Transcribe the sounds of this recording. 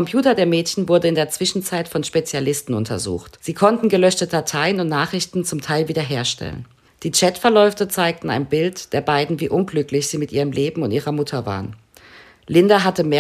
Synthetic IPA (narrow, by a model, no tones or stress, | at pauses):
ɔmpʰj̥uːtɐdeːɐmɛːtçn̩vʊɐdəɪndeːɐt͡sv̥ɪʃn̩t͡saɪtfɔnʃpet͡sjalɪstn̩ʊntʰɐ̰zṵːxtz̥iːkʰɔntn̩ɡəlœʃtədatʰaɪənʊntnaːχʁ̥ɪçtn̩t͡sʊmtʰaɪlviːdɐɦeːɐʃtɛ̰lə̰n | d̥iːt͡ʃɛtfɛɐlɔʏftət͡saɪk̚tn̩a̰ɪnbɪltd̥eːɐbaɪdn̩viːʔʊnɡlʏklɪçz̥iːmɪtʔiːʁəmleːbm̩ʊntiːʁɐmʊtʰɐva̰ːʁən | lɪndaɦatəmeː